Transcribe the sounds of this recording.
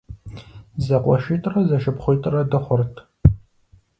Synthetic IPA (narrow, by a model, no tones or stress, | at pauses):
zɐqʷʼɔʃiːtʼrɐzɐʃɪpχʷʊjtʼrɐdɨχʷʊrtʰ